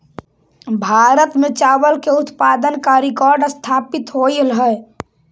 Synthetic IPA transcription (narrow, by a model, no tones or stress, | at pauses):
bʱaɾət̪met͡ʃabəlkeut̪pad̪ənkaɾikɔɾɖəst̪ʰapit̪ɦojlɦə